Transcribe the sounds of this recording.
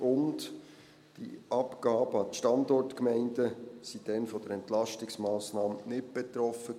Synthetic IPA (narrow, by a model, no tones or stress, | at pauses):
ʊnd | d̥ḭɑpɡ̥ɑːb̥əɑtəʃtɑndɔrtkmɛɪndəsid̥ɛnfɔd̥əɾɛntlɑʃtɪksmɑːsnɑːmnɪt̚b̥ɛt̪ɾɔfə